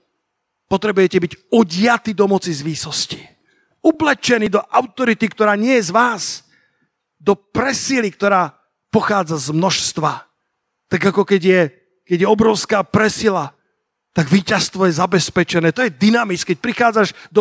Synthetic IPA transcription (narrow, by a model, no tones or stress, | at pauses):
pɔt̪ɾɛbujɛcɛbiɟɔɟɪat̪iːd̪ɔmɔt͡sizʋiːsɔsci̥ | ɔblɛt͡ʃɛnid̪ɔʔaʊt̪ɔɾit̪ikt̪ɔɾaːɲɪɛjɛzʋaːs | d̪ɔpɾɛsilik̚t̪ɔɾaː | pɔxaːd͡zazmnɔʃst̪ʋa | t̪aɡakɔkɛɟɪjɛ | kɛɟjɛɔbɾɔʊskaːpɾɛsila | t̪aɡʋiːcast̪ʋɔjɛzabɛspɛt͡ʃɛnɛːt̪ɔjɛd̪inamit͡skɛc̚pɾixaːd͡zaʒd̪ɔ